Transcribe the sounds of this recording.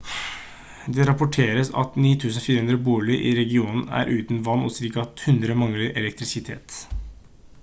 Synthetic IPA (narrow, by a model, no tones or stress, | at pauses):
d̪ɛɾɑpʊʈʰeːɾəsɑ̰t̪niːt̪ʰʉːsənfiːɾəhʉnd̪ɾəbuːɭɪʔɪɾɛɡɪuːnn̩æ̰ɾʔʉːt̪n̩ʋɑnːɔ̰sɾiːkɑt̪hʉnd̪ɾəmɑŋlɪʔɛlɛk̚t̪ɾɪsɪt̪ʰḛːt̪